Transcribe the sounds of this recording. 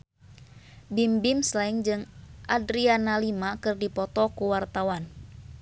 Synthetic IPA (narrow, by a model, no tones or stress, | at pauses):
bimbimslaiŋd͡ʒɨŋʔadɾianalimakɨrdipɔt̪ɔkuwart̪awan